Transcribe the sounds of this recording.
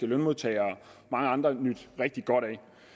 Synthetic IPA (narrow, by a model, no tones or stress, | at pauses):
ɡ̥ælønmo̝ðˠt͡sʰɛ̰ːɪɒ | mɑ̈ŋəɑ̈nd̥ʁɐnyd̥ʁɛɡ̥̚d̥iɡ̥ɒ̽ɾ̥ɛɪ